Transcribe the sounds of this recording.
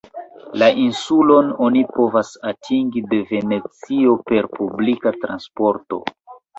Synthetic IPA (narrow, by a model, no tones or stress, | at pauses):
laʔinsulo̞no̞nipo̞vasatʰiŋɡide̞ve̞ne̞t͡sio̞pe̞ɾpublikatɾa̰nspo̞ɾto̞̰